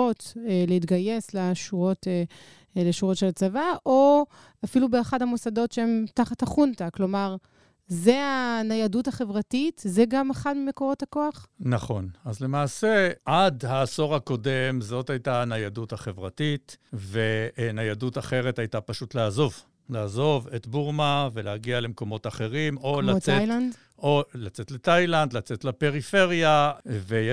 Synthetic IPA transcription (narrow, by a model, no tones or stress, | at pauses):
ot̪leit̪ɡaje̞slaʃuʁo̞te | leʃuʁo̞tʃelat͡savaʔo | afilubeːχadhamusado̞tʃeemtaχathaχuntaklo̞maʁ | zeanajaduthaχe̞vʁatitzeɡamaχadmime̞ko̞ʁo̞thako̞aχnaχo̞nazle̞maːse̞ʔadhaːso̞ʁhako̞de̞mzo̞thajtaːnajaduthaχe̞vʁatitvenajadutaχe̞ʁe̞thajtapaʃutlaazo̞v | laːzo̞vet̪buʁmave̞leaɡiale̞mko̞mo̞taχeʁimo̞lat͡sejand | ʔolat͡setletajland̪lat͡setlape̞ʁife̞ʁjave